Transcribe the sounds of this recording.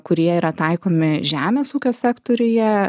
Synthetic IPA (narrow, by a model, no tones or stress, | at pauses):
kʊɾʲiɛiːɾɐt̪ɐˑɪkoːmʲɪʒʲæːmʲeːsuːkʲoːsʲɛkt̪oːɾʲʊjɛ